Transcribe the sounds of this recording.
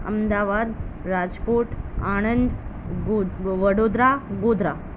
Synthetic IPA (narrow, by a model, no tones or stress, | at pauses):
ə̰md̪aʋad̪ɾad͡ʑkoʈaɽ̃ənd̪ | ʋəɽod̪ɾaɡod̪ʱɾa